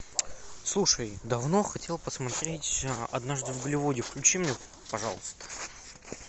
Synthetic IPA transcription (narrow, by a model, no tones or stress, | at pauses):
slˠuʂəjd̪ɐvno̞xɐtʲelˠpəsmɐt̪ɾʲetʲɐ̰d̪naʐd̪ɨvɡəlʲɪvodʲɪfklʲʉt͡ɕimnʲe | pɐʐɑlˠəst̪ə̥